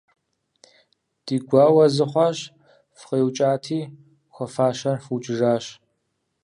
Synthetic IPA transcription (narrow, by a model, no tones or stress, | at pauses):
d̥iːɡʷɑːwɐzɨχʷɑːɕ | fχeːwt͡ʃʼaːtʰiː | xʷɔfaːʃɐrfut͡ʃʼɪʐaːɕ